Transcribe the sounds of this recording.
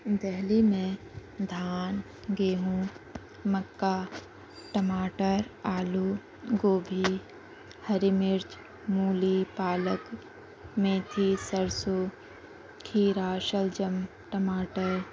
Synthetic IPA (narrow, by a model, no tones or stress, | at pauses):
d̪ɛɦlimẽd̪ʱaːn | ɡeːɦũː | məkːaː | ʈəmaːʈəɾaːluː | ɡoːbʱi | həɾɪmɪɾt͡ʃ | muːlipaːlək | mẽt̪ʰisəɾsoː | kʰiːɾaːʃəld͡ʒəm | ʈəmaːʈəɾ